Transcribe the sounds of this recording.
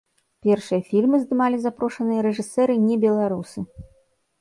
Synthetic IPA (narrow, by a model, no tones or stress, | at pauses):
pʲɛrʂɨjɐfʲilʲmɨzd̪ɨmalʲizapɾɔʂɐnɨjɐɾɛʐɨsɛɾɨnʲɛbʲɛlˠaɾusɨ